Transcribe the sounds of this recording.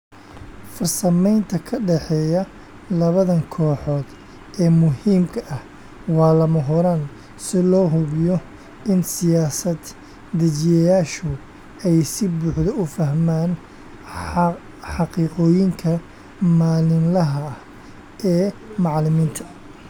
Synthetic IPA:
fɐrsɐmɛjnt̪ʰɐkʰɐɖɛħɛːjɐ | lɐβɐðɐŋkʰɔːħɔːd̪̥ | ɛːmʊhiːmkʰɐʔɐh | wɑːlɐmɐɦʊɾɐn | sɪlɔːɦʊβɪjɔ | ɪnsɪjaːsɐd̪̥ː | ɐt͡ʃɪjɐjaːʃʊ | ɛjsɪbuːħðɐʊfɐɦmaːn | ħɑqiːqɔːjɪŋkʰɐ | maːlɪnlɐɦɐ | ʔɛːmɑʕlɪmiːnt̪ʰɐ

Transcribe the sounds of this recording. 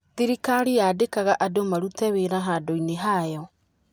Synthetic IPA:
ðiɾikaɾijaːdekaɣaʔadomaɾutɛweɾaɦadoineɦajɔ

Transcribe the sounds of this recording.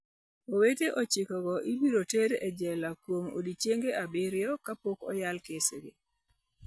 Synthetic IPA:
oweteʔot͡ʃɪkɔɡɔʔibiɾoteɾed͡ʒɛlakwomo̰dit͡ʃjeŋɡeʔabɪɾjɔkapokɔ̰jalkeseɡe

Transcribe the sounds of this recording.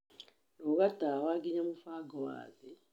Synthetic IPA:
nokatawaɡiɲamufaːɡowa̰ːze

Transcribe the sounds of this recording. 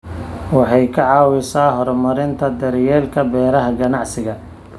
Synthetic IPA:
wɑħɑjkʰɐʕɑːwɪsaːɦɔrmɐɾɪnt̪ʰɐd̪ɐɾjɛːlkʰɐbɛːɾɐɦɐɡɐnɑʕsɪɣɐ

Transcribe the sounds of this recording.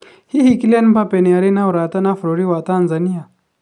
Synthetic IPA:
hihikilanbapɛnɛaɾinauɾatanafɾɔɾiwatanzania

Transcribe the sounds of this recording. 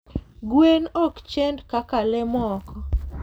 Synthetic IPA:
ɡwenɔkt͡ʃendkakalemɔkɔ

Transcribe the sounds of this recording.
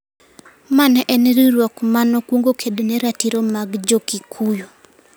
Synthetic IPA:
manɛnɾiɾwɔkmanɔkwoŋɡokʰednɛɾatiɾomaɡd͡ʒokikʰujo

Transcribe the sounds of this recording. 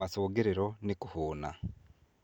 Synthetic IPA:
asuːɡiɾiɾonikuhuːna̰

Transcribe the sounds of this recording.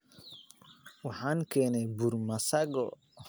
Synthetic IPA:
wɑħɑːŋkʰɛːnɛjburmɐsɐɡɔ

